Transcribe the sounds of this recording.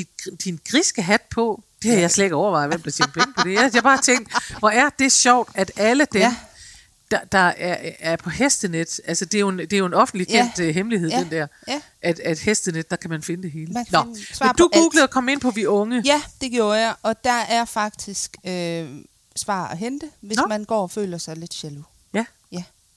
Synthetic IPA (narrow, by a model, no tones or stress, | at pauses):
d̥i̥d̥inɡ̥ʁisɡ̥əɦæd̥pʰɒ̽d̥e̝hæjɑ̈ɪslɛɡɒʊɐʋɑ̈ɪʋemd̥ɑ̈t͡sʰen̥pʰeŋəpʰɒ̽d̥e̝jæjɑ̈ɪb̥ɑ̈ːt͡sʰeŋ̰ɡd̥ʋɒæɐd̥e̝ɕɒʊ̰d̥æd̥æləd̥em | d̥ɑd̥ɑ̈æɐæɐpʰɒ̽hesd̥əned̥ʔælsəd̥e̝ɐjoe̝nd̥e̝ɐjo̝e̝nɒ̽fn̩d̥likʰend̥ɦemliɦeð̰ˠd̥end̥æɐ̰ | ʔæd̥æd̥hesd̥əned̥ːɑ̈kʰæmænfe̝nəd̥e̝ɦe̝ːlənɒsd̥uɡ̥uːɡ̥ləð̩ˠɒkʰɒ̽me̝n̰pʰɒ̽ʋiʔɔ̽ŋəjæd̥e̝ɡ̥jo̝ːɐjɑʔɒ̽d̥ɑæɐfɑ̈ɡ̥̚d̥isɡ̥ø | sʋɑ̰̈ːæɦend̥əʋesmænɡ̥ɒ̰ːɒfø̰ːlɐsɑ̈ɪle̝d̥ɕelu | jæ | jæ